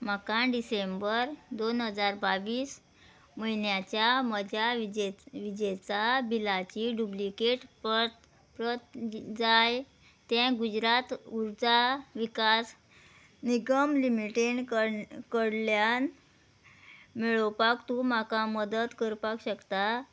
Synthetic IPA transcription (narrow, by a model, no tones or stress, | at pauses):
m̤akãɖisembəɾd̪onɦəd͡zaɾbaʋiːs | məɦinjat͡ɕjaməd͡ʑaʋd͡ʑʋid͡ʑet͡sabilat͡ɕiːɖublikeʈpət̪ | pɾət̪d͡zaj | t̪ɛ̃ɡud͡ʑɾat̪uɾd͡zaʋikas | niɡəmlimiʈeɳkəkəɽljan | meɭəpakt̪ũm̤akaməd̪ət̪kəɾpakɕəkt̪a